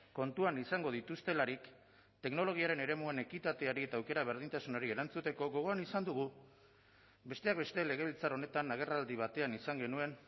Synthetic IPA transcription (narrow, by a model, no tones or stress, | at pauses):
ko̞nt̪uanisaŋɡo̞ð̞it̪ust̪e̞laɾik | t̪e̞kno̞lo̞ɣ̞iaɾe̞ne̞ɾe̞muene̞kit̪at̪e̞aɾie̞t̪aːwke̞ɾaβ̞e̞ɾðint̪asunoɾie̞ɾant͡sut̪e̞ko̞ɣo̞ɣ̞o̞anisand̪uɣ̞u | be̞st̪e̞ak̚be̞st̪e̞le̞ɣ̞e̞β̞ilt͡saɾo̞ne̞t̪anaɣ̞e̞rald̪iβ̞at̪e̞anisaŋɡe̞nue̞n